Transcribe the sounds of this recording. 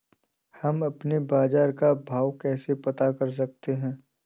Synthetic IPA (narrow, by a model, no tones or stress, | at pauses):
hɐmɐpnebaːd͡ʒaːɾkabʱaːʋkɛːsepɐt̪akɐɾs̬ɐk̚t̪eɦɛ̃ː